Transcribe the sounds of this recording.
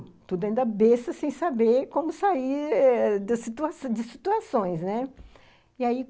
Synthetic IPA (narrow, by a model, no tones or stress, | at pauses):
t̪ud̪ʊɐĩd̪ɐbesɐsẽj̃sabeɾkõmʊsai | d̪ɐsit̪uasd͡ʒɪsit̪uasõj̃snɛ | iai